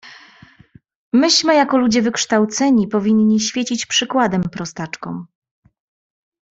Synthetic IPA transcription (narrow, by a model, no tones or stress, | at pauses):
mɘɕmɘjakɔlud͡ʑɛvɘkʂt̪awt̪sɛɲipɔvʲiɲːiɕfʲjet͡ɕit͡ɕpʂɘkwad̪ɛmpɾɔst̪at͡ʂkɔ̰̃w̃